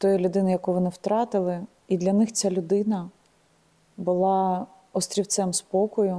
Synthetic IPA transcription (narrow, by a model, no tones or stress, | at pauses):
t̪ɔjilʲʊd̪ɪnɪjɐkujʋɔnɪwt̪ɾɑt̪ɪlˠɪ | id̪lʲɐnɪxt͡sʲalʲʊd̪ɪnɐ | bʊlˠɑ | ɔst̪ʲɾʲiwt̪sɛmspɔkɔjʊ